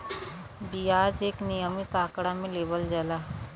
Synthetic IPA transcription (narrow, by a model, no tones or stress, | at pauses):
bijaːd͡ʒeːknijəmit̪aːkɽamẽleːbəld͡ʒəlaː